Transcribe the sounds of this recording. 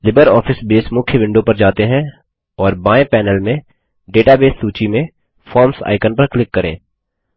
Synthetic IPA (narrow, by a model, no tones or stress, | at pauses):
lɪbəɾɔːfʰɪsbeːsmʊkʰjəʋɪ̃ɳɖopɐɾd͡ʒaːt̪eɦɛ̃ | ɔːɾbaːẽpɛːnəlmẽ | ɖeːʈabeːsːuːt͡ʃimẽ | fʰɔːɾmsa̰ːɪkənpɐɾklɪkːɐɾḛ̃ː